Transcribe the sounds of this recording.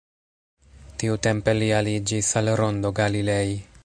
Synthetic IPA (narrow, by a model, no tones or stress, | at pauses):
tiute̞mpe̞lialid͡ʒisalɾo̞nd̪o̞ɡalile̞j